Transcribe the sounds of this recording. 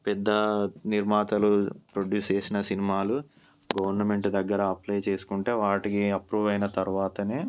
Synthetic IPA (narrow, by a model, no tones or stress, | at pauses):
pɛd̪ːɐniɾmaːt̪ɐlupɾoɖjuːst͡ʃe̞ːsinɐsinimaːlu | ɡɐʋɐɾnɐme̞ɳʈd̪ɐɡːɐɾɐːplɐjt͡ʃe̞ːsu̥kuɳʈe̞ːʋaːʈikiɐpɾuːʋɐjnɐt̪ɐɾuʋaːt̪ɐneː